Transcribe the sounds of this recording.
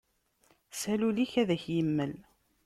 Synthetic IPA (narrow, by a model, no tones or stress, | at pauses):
sæluliçæðæçjəmːəl